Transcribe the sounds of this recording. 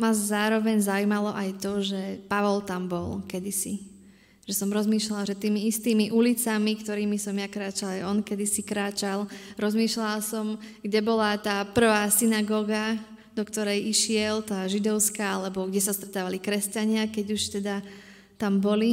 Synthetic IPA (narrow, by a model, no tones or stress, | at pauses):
mazzaːɾɔʋɛɲzaujmalɔʔajt̪ɔʒɛpaʋɔlt̪ambɔlkɛd̪isḭ | ʒ̥ɛsɔmɾɔzmiːʃlalʒɛt̪iːmiist̪iːmiʔulit͡samikt̪ɔɾiːmisɔmjakɾaːt͡ʃalˠajɔnkɛd̪isikɾaːt͡ʃalɾɔzmiːʃlalsɔmɡɟɛbɔlat̪aːpr̩ʋaːsinaɡɔːɡa | d̪ɔkt̪ɔɾɛjiʃɪɛlt̪aːʒid̪ɔʊskaːalɛbɔɡɟɛsast̪ɾɛt̪aːʋalikɾɛscaɲɪakɛɟuʃt̪ɛd̪a | t̪ambɔli